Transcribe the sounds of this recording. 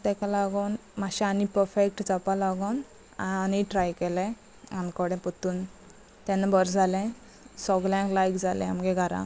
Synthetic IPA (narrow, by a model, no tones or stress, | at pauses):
t̪ɛ̃kalaɡɔnmaɕɛanipəɾfek̚ʈd͡zapalaɡɔn | aaniʈɾajkɛlɛ̃ | ankɔɽɛ̃pət̪uːn | t̪ɛ̃nabəɾd͡zʱalɛ̃ | sɔɡljãklajkd͡zʱalɛ̰̃a̰mɡɛɡʱaɾã̰k